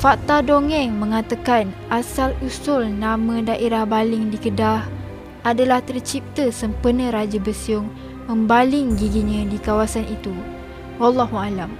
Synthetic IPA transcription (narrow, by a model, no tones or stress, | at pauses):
fat̪adoŋɛ̃ŋmə̃ŋat̪akanʔasalusʊlnamə̃daʔeɾahbalɪŋdikədah | ʔadalaht̪ərt͡ʃip̚t̪əsəmpərnə̃ɾad͡ʒəbəsiʊŋ | mə̃mbalɪŋɡiɡiɲə̃dikawasanʔit̪u | walːaɦualam